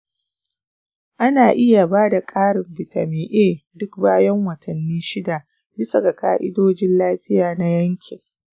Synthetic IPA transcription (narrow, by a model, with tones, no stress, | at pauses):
ʔa˦naː˨ʔɪ˦ja˨baː˦da˨kʼaː˦ɽɪ˨mbɪ˨ta̰˨miː˦ʔeː˦dʊ˦k̚baː˦jɐ˦ŋwɐ˨tʰɐ˨nːiː˦ʃɪ˦da˨ | bɪ˦sɐ˨ɡa˨ka̰ː˦ʔɪ̰˦doː˦d͡ʒɪ˦nlaː˦ɸɪ˦jaː˨na˦jɐ˦ŋkʲʰɪ˨ŋ